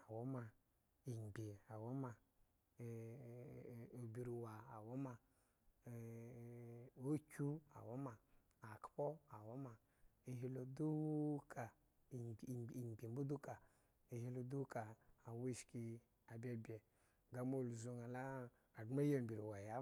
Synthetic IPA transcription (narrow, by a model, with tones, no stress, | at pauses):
a˨wo˦ma˨ | i˨m˨ɡ͡bʲe˨a˨wo˦ma˨ | o˨bi˨ɾi˨wa˨a˨wɔ˦ma˨ | o˦t͡ʃu˦a̰˨wo˦maː˨ | kpɔ˦a˨wɔ˦ma˨ | e˨ɦi˦lo˨du˦kʰa˨ | i˨ɡ͡be˨m˦bu˦du˦ka˨ | e˨hi˦lo˧du˦ka˨a˨we˦˨ʃki˧ | a˨bʲɛ˨bʲɛ˨ | ɡa˨mo˦˨lzo˧ŋa˨la˦ | a˨dma˦ja˦˨mbi˨ɾi˨wa˨ja˦